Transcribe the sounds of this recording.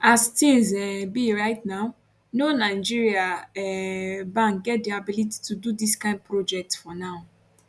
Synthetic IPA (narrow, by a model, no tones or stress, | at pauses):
astĩzɛbiɹaɪtnaʊ | nonaɪd͡ʒiɹiaɛbãŋk̚ɡɛt̚diabiliti̥tʰududiskãɪ̃nd̚pɹod͡ʒɛk̚tfɔnaʊ